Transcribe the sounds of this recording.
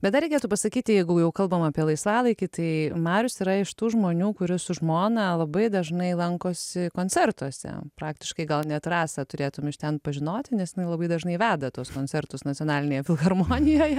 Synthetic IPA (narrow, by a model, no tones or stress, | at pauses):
bʲɛt̪d̪ɐɾʲɛɪkʲɛt̪uːpɐsɐkʲiːt̪ʲɪjɛɪɡʊjɛʊkɐlˠbɐmɑːpʲiɛlˠɐɪsʋɑːlˠɐɪkʲɪt̪ɐɪmɑːɾʲʊsiɾɐɪʃt̪uːʒmoːnʲuːkʊɾʲɪsʊʒmoːnɐlˠɐbɐɪd̪ɐʒnɐɪlˠɐŋkoːsʲɪkoːnʲt͡s̪ʲɛrt̪uɔsʲɛ̰pɾɑːk̚t̪ʲɪʃkɐɪɡɐlˠnʲɛt̪rɑːsɐt̪ʊɾʲeːt̪ʊmʲɪʃt̪ʲɛnpɐʒʲɪnoːt̪ʲɪnʲɛsjɪnɐɪlˠɐbɐɪd̪ɐʒnɐɪʋʲæːd̪ɐt̪oɔskoːnʲt͡sʲɛrt̪ʊsnɐtt͡sʲsʲjoːnɑːlʲɪnʲeːjɛfʲɪlˠxɐrmoːnʲɪjoːjɛ